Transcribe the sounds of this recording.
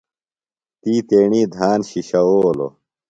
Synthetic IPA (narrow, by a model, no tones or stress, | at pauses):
t̪iːt̪eːɳiːd̪ʱaːnɕiɕɐoːlo̰